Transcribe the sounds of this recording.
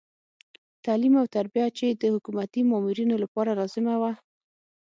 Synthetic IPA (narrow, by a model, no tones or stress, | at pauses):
t̪ɑlimawt̪aɾbijat͡ʃed̪əhʊkumat̪imɑmuɾinolapɑɾaɾɑzɪmawa